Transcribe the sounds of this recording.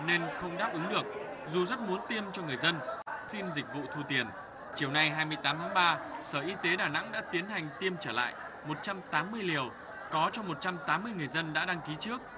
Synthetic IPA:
ne˧nxə˧wŋ͡mɗaː˦˥p̚ʔɨ˨˦ŋɗɨ˨˩ək̚ | zu˨˩zə˦˥t̚mu˨˦ənt̪i˧əmt͡ɕɔ˧ŋɨ˨˩əjzə˧nsi˧nzï˨˩k̟̚vṵ˧˨t̪ʰu˧t̪i˨˩ən | t͡ɕi˧˩əwna˧jɦaː˧jmɨ˧əjt̪aː˨˦mt̪ʰaː˨˦ŋɓaː˧səː˧˩ʔi˧t̪e˨˦ɗaː˧˩na̰˧˥ŋɗa̰ː˧˥t̪i˨˦ənɦa˨˩jŋ̟t̪i˧əmt͡ɕəː˧˩la̰ː˧˨j | mo˨˩t̚t͡ɕa˧mt̪aː˨˦mːɨ˧əjli˨˩əw | kɔ˨˦t͡ɕɔ˧mo˨˩t̚t͡ɕa˧mt̪aː˨˦mːɨ˧əjŋɨ˨˩əjzə˧nɗa̰ː˧˥ɗa˧ŋki˨˦t͡ɕɨ˦˥ək̚

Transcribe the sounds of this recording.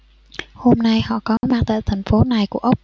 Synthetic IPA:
ho˧mna˧jhɔ̰˧˨kɔ˨˦maː˧˩t̪eː˧˩t̪ʰa˨˩ŋ̟fo˨˦na˨˩jku˧˩əʔwk͡p̚

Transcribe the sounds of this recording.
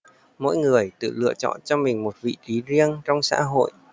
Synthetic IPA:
mo̰˧˥jŋɨ˨˩əjt̪ɨ̰˧˨lɨ̰˧˨ət͡ɕɔ̰˧˨nt͡ɕɔ˧mï˨˩ŋ̟mo˨˩t̚vḭ˧˨t̪i˨˦zi˧ənt͡ɕɔ˧wŋ͡msa̰ː˧˥ɦo̰˧˨jʔ

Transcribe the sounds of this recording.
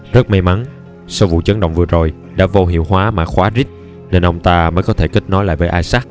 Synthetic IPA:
zə˦˥t̚ma˨˧jma˨˦n | sə˧wvṵ˧˨t͡ɕə˨˦ŋɗə̰˧˨wŋ͡mvɨ˨˩əzo˨˩j | ɗa̰ː˧˥vo˧ɦḭ˧˨əwɦwaː˨˦maː˨˩xwaː˨˦zi˦˥k̟̚ | ne˧nʔə˧wŋ͡mt̪aː˧məː˨˦jkɔ˨˦t̪ʰe˧˩ki˦˥k̟̚nɔ˨˦jla̰ː˧˨jvəː˨˦jʔaː˧jsaː˦˥k̚

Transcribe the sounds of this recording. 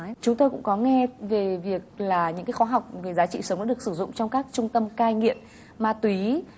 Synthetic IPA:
t͡ɕʊ˨˦ŋ͡mt̪o˧jkʊ̰˧˥ŋ͡mkɔ˨˦ŋɛ˧ve˨˩vi˨˩ək̚laː˨˩ɲɨ̰˧˥ŋkaː˨˦jxɔ˨˦ɦa˨˩wk͡p̚ve˨˩zaː˨˦t͡ɕḭ˧˨sə˨˦wŋ͡mɗa̰ː˧˥ɗək̚sɨ˧˩zʊ̰˧˨ŋ͡mt͡ɕɔ˧wŋ͡mkaː˦˥k̚t͡ɕʊ˧ŋ͡mt̪ə˧mkaː˧jŋḭ˧˨əm | maː˧t̪wi˨˦

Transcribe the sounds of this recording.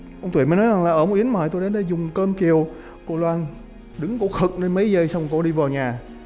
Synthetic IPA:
ʔə˧wŋ͡mt̪wməː˨˦jnɔ˨˦jza˨˩ŋlaː˨˩ʔəː˧˩m̚˨˩ʔi˨˦ənməː˨˩jt̪o˧jɗə˨˦nɗe˧˩zʊ˨˩ŋ͡mkəː˧mki˨˩əw | ko˧˩lwaː˧n | ɗɨ˨˦ŋko̰˧˥˩xɨ˨˩k̚ne˧nmə˨˦jzə˧jsa˧wŋ͡mko̰˧˥˩ɗi˧vəː˨˩ɲaː˨˩

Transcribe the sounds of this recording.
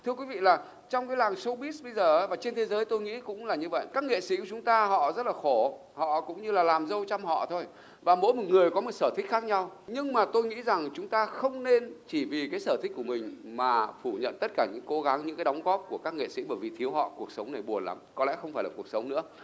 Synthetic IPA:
t̪ʰɨ˧əkwi˨˦vḭ˧˨laː˨˩ | t͡ɕɔ˧wŋ͡mkaː˨˦jlaː˨˩ŋsə˧wɓi˦˥sɓə˧jzəː˨˩˨vaː˨˩t͡ɕe˧nt̪ʰe˨˦zəː˨˦jt̪o˧jŋḭ˧˥kʊ̰˧˥ŋ͡mlaː˨˩ɲɨ˧və̰˧˨jkaː˦˥k̚ŋḛ˧˨sḭ˧˥ku˧˩t͡ɕʊ˨˦ŋ͡mt̪aː˧ɦɔ̰˧˨zə˦˥t̚laː˨˩xo˧˩ | hɔ̰˧˨kʊ̰˧˥ŋ͡mɲɨ˧laː˨˩laː˨˩mzə˧wt͡ɕa˧mhɔ̰˧˨t̪ʰo˧j | vaː˨˩mo̰˧˥jmɔ˨˩t̚ŋɨ˨˩əjkɔ˨˦mo˨˩t̚səː˧˩t̪ʰi˦˥k̚xaː˦˥k̚ɲa˧wɲɨ˧ŋmaː˨˩t̪o˧jŋḭ˧˥za˨˩ŋt͡ɕʊ˨˦ŋ͡mt̪aː˧xə˧wŋ͡mne˧nt͡ɕi˧˩vi˨˩kaː˨˦jsəː˧˩t̪ʰï˦˥k̟̚ku˧˩˨mï˨˩ŋ̟maː˨˩fu˧˩ɲə̰˧˨nt̪ə˦˥t̚kaː˧˩ɲɨ̰˧˥ŋko˨˦ɣa˨˦ŋɲɨ̰˧˥kaː˨˦ɗa˨˦wŋ͡mɣɔ˦˥p̚ku˧˩əkaː˦˥kŋḛ˧˨sḭ˧˥ɓəː˧˩jvi˨˩t̪ʰi˨˦əwɦɔ̰˧˨ku˨˩ək̚sə˨˦wŋ͡mna˨˩jɓu˨˩ənla̰˨˦mkɔ˨˦lɛ̰˧˥xə˧ŋ͡mfaː˧˩jlaː˨˩ku˨˩ək̚sə˨˦wŋ͡mnɨ̰˧˥ə

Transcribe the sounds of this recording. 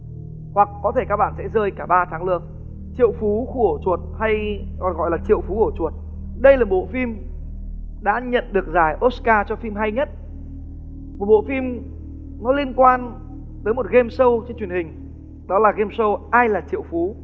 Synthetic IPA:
hwa˨˩k̚ːɔ˨˦t̪ʰe˧˩kaː˦˥k̚ɓa̰ː˧˨nsɛ̰˧˥zəː˧jkaː˧˩ɓaː˧t̪ʰaː˨˦ŋlɨ˨˩əŋ̚ | t͡ɕḭ˧˨əwfu˨˦ku˧˩ət͡ɕu˨˩ət̚ha˧jɔ˨˩nɣɔ̰˧˨jlaː˨˩t͡ɕḭ˧˨əwfu˨˦kt͡ɕu˨˩ət̚ | ɗə˧jlaː˨˩ɓo̰˧˨fi˧m | ɗa̰ː˧˥ɲə̰˧˨nɗɨ˨˩ək̚zaː˧˩jʔo˦˥kaː˧t͡ɕɔ˧fi˧mɦa˧jɲə˦˥t̚ | ɓo̰˧˨fi˧m | nɔ˨˦li˧ənkwaː˧n | t̪əː˨˦jmo˨˩t̚ɣe˧msə˧wt͡ɕe˧nt͡ɕwi˨˩ənhï˨˩ŋ̟ | ɗɔ˨˦laː˨˩ɣe˧msə˧wʔaː˧jlaː˨˩t͡ɕḭ˧˨əwfu˨˦

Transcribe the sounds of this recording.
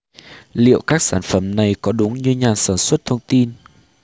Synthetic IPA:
lḭ˧˨əwkaː˦˥k̚saː˧˩nfə˧˩mna˨˩jkɔ˨˦ɗʊ˨˦ŋ͡mɲɨ˧ɲaː˨˩nsaː˧˩nswə˦˥t̚t̪ʰə˧wŋ͡mt̪i˧n

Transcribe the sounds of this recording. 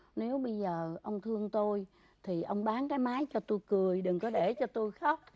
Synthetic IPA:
ne˨˦wɓə˧jzəː˨˩ʔə˧wŋ͡mt̪ʰɨ˧əŋt̪o˧j | t̪ʰi˨˩ʔə˧wŋ͡mɓaː˨˦nkaː˨˦jmaː˨˦jt͡ɕɔ˧t̪o˧jkɨ˨˩əjɗɨ˨˩ŋkɔ˨˦ɗe˧˩t͡ɕɔ˧t̪o˧jxa˦˥wk͡p̚

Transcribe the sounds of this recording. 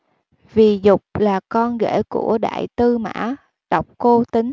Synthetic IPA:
vi˨˩zʊ˨˩k͡p̚laː˨˩kɔ˧nɣḛ˧˩˥kṵ˧˩əɗa̰ː˧˨jt̪ɨ˧ma̰ː˧˥ | ɗə˨˩wk͡p̚ko˧t̪ï˨˦ŋ̟

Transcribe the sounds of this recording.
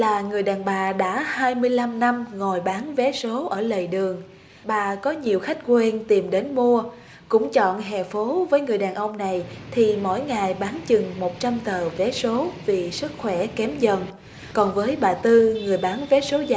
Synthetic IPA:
laː˨˩ŋɨ˨˩əjɗaː˨˩nɓaː˨˩ɗa̰ː˧˥haː˧jmɨ˧əjla˧mna˧mŋo˨˩jɓaː˨˦nvɛ˨˦so˨˦ʔəː˧˩lə˨˩jɗɨ˨˩əŋ | ɓaː˨˩kɔ˨˦ɲi˨˩əwxa˦˥jk̟̚kwe˧nt̪i˨˩mɗe˨˦nmu˧ə | kʊ̰˧˥ŋ͡mt͡ɕɔ̰˧˨nɦɛ̰˧˨fo˨˦vəː˨˦jŋɨ˨˩əjɗaː˨˩nʔə˧wŋ͡mna˨˩jt̪ʰi˨˩mo̰˧˥jŋa˨˩jɓaː˨˦nt͡ɕɨ˨˩ŋmo˨˩t̚t͡ɕa˧mt̪əː˨˩vɛ˨˦so˨˦vi˨˩sɨ˦˥k̚xwɛ˧˩kɛ˨˦mzə˨˩n | kɔ˨˩nvəː˨˦jɓaː˨˩t̪ɨ˧ŋɨ˨˩əjɓaː˨˦nvɛ˨˦so˨˦z

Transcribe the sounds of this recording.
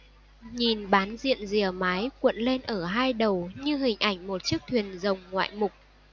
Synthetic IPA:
ɲi˨˩nɓaː˨˦nzḭ˧˨ənzi˨˩əmaː˨˦jkwə̰˧˨nle˧nʔəː˧˩ɦaː˧jɗə˨˩wɲɨ˧ɦï˨˩ŋ̟ʔa˧˩jŋ̟mo˨˩t̚t͡ɕɨ˦˥k̚t̪ʰwi˨˩ənzə˨˩wŋ͡mŋwa̰ː˧˨jmʊ˨˩k͡p̚

